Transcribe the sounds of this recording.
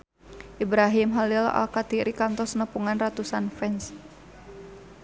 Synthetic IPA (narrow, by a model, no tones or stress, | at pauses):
ʔibɾaɦimɦalila̰lkat̪iɾʔikant̪ɔsnəpuŋanrat̪usanfɛns